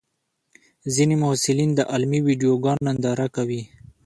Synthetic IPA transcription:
zinemʊhsɪlind̪əʔalmiwiɖijoɡɑnːand̪ɑɾakawi

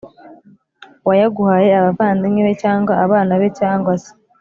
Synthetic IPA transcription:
wajaɡuhaːjeaβavaːnziŋiβecaːŋɡwaːβaːnaβe̞caːŋɡwasi̥

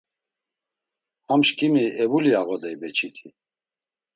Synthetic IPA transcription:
hamʃkʼimiɛvuliaɣɔd̪ɛjbɛt͡ʃʰit̪ʰi

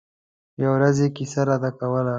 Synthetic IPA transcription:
jawɾazekisaɾad̪akawəla

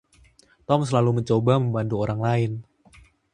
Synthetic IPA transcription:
t̪ɔmsəlaluməɲt͡ʃobaməmband̪uoɾaŋlaɪn

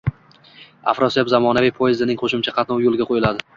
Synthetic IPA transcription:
a̰fɾɒsapzamɒnavɪpʰojɪzɪnɪŋqʰoʃɪmt͡ʃʰaqʰɑt̪nɒwjolˠɡʲaqʰojɪlad̪ɪ

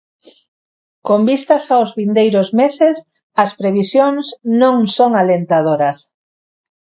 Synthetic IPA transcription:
kombist̪ɐsawzβind̪ejɾozmeses | ɐspɾeβ̞isjoŋsnõŋsoŋalent̪aðoɾɐs

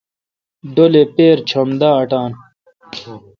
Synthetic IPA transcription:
ɖolepeːɾt͡ɕʰɐmd̪aːʈaːn

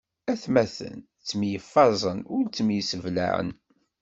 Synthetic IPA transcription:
æθmæθə̰n | t͡sːmjəfːɑzˤənʊɾt͡sːəmjəsəvla̰ʕə̰n

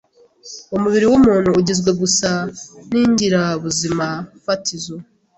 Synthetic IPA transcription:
umuβiɾiwumuːn̤̥huːɟizɡwe̞ɡusaniɲɟiɾaβuzimafatizo

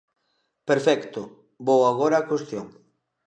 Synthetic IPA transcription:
peɾfɛkt̪ʊ | bowaɣ̞oɾaːkwest̪joŋ

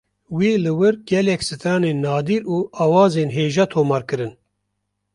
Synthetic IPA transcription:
wiːlɨwɨɾɡɛlɛksɨt̪ɾɑːneːnːɑːd̪iːɾuːʔɑːwɑːzeːnɦeːʒɑːt̪ʰoːmɑːɾkɨɾɨn

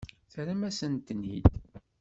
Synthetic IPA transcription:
θɾæmæsənt̪ənḭd̪

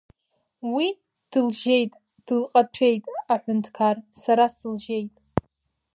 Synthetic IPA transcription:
wi | d̥ɨlʒe̞jtʼ | d̥ɨlqʼatʰe̞jtʼaħʷʊntʰkʰarsaɾasɨlʒe̞jtʼ

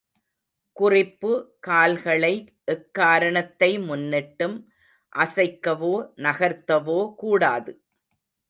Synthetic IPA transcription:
kʊrɪpːɯkaːlɣɐɭɐɪ | ʔɛkːaːɾɐɳɐt̪ːɐɪmʊnːɪʈːɯm | ʔɐsɐɪkːɐʋoːnɐɣɐɾt̪ːɐʋoːkuːɽaːðɯ

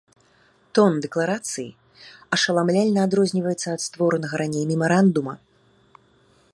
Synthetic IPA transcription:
t̪ɔnd̪ɛklˠaɾat̪sɨjḭ | ɐʂɐlˠamlʲalʲnɐːd̪ɾɔzʲnʲivɐjɛt̪sːɐːt̪st̪vɔɾɐnɐɣɐɾanʲejmʲɛmaɾand̪umɐ

